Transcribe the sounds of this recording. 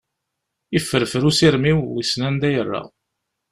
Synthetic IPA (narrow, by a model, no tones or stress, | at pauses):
ifːəɾfəɾusiɾmiwisnænd̪æjərːa̰